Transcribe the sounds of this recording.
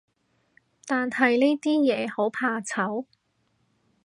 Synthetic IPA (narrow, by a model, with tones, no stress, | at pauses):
t̪aː˨nhɐ˨jliː˥t̪iː˥jɛː˨˧ho˨˥wpʰaː˧t͡sʰɐ˨˥w